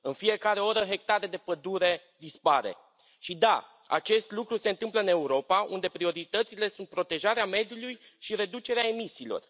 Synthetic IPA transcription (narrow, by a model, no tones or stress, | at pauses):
ɨnfije̞kaɾe̞o̞ɾəɦe̞k̚t̪aɾe̞d̪e̞pəd̪uɾe̞ | d̪ispaɾe̞̰ | ʃid̪a | a̰t͡ʃe̞st̪lukɾuse̞ɨnt̪ɨmpləɨne̞uɾo̞paund̪e̞pɾio̞ɾit̪ət̪sile̞sunt̪̚pɾo̞t̪e̞ʒaɾeame̞d̪juluj | ʃiɾe̞d̪ut͡ʃe̞ɾeae̞misiːlo̞̰r